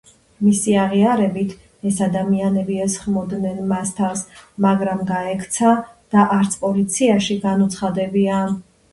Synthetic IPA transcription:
misiaʁiaɾɛbit̪ʰ | ɛsad̪amianɛbiɛsχmɔd̪nɛnmast̪ʰasmaɡɾamɡaɛkʰt̪sʰad̪̥aʔaɾt̪sʰpʼɔlit̪sʰiaʃiɡanut̪sʰχad̪ɛbian

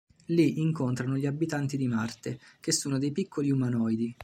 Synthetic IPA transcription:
liʔiŋkont̪ɾanoʎiabːit̪ant̪id̪imart̪ek̟esːuːnod̪ejpikʰːoliumanɔjd̪i

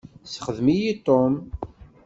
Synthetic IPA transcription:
sχəðmijit̪ˤːom

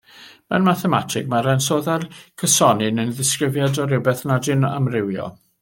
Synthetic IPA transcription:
mɛnmaθɛma̰tʰɪk̚maɾɛnsoːðarkʰəsɔnɨnənðɪskrɪvjadɔɾɪwbɛθnadɪna̰mrɪwjɔ̰

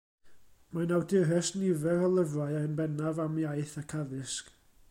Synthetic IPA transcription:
manawdɪɾɛsnɪvɛɾɔlˠəvraɨaənbɛnavamjajθakʰaðɪsk

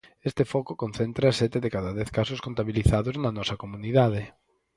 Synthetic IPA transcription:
est̪ɪfɔkʊkon̟θɛnt̪ɾɐsɛt̪ɪðekaðɐðɛθkasʊskont̪aβiliθaðʊznɐnɔsɐkomuniðað̞ɪ

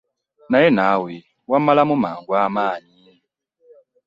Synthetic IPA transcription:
najɛnawi | wamalamumaːŋɡwamaːɲini

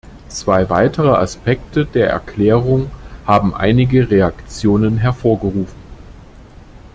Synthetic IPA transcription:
t͡sv̥aɪvaɪtʰəʁ̞əʔa̰spɛktədeːɐʔɛ̰ɐkʰl̥ɛːʁʊŋhaːbm̩ʔa̰ɪnɪɡəʁeakt͡sjoːnənɦɛɐfoːɐɡəʁuːfn̩

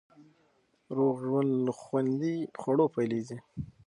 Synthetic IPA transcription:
ɾoɣʒwand̪ləxwand̪ixwaɽopajlezi

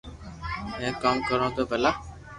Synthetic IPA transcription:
mɛ̃ːkaːmkəɾõːt̪oːbʱəlaː

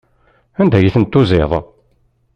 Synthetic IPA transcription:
ænd̪æjiθənt̪ːuzeðˤ

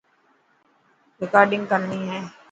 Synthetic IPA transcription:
ɾɪkaːɾɖɪ̃ŋɡkəɾniːɦɛ̃ː

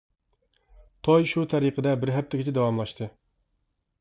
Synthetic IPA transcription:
t̪ʰojʃut̪ʰɛɾiqʰəd̪ɛbɪɾɦɛp̚t̪ʰɪɡʲit͡ʃʰɛd̪ɛwɑmlˠɑʃt̪ʰɨ

